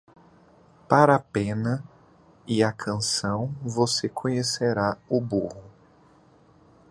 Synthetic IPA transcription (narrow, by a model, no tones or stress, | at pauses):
paɾɐpẽnɐ | ɪɐkʰɐ̃sɐ̃w̃vosekʰõɲeseɾaʊbuhʊ